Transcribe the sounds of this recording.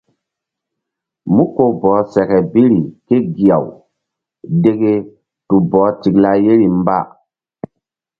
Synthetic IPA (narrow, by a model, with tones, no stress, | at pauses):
mu˦ko˨bɔː˨˦sɛ˨kɛ˨bi˦ɾi˨ke˦ɡi˨a˨w | de˦ɡe˦ | tu˨bɔː˨˦ti˨kla˦je˦ɾi˨m˦ba̰˦